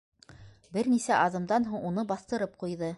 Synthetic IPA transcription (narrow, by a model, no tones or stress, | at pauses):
bɘɾnisæʔɑðɤ̆md̪ɑnɦuɴunɤbɑθt̪ɤ̆ɾɤp̚qujðɤ